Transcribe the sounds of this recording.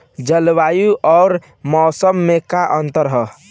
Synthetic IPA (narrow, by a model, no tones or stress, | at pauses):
d͡ʒəlwajuʔɔːɾ | mɔːsəmːekaʔənt̪əɾɦə